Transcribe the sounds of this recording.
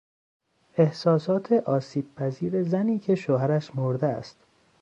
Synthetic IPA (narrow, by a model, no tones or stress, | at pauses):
ʔe̞hsɒːsɒːt̪ʰeʔɒːsiːb̥̚pʰæziːɾezæniːcʰe̞ʃoɦæɾæʃmoɾd̪eæ̰st̪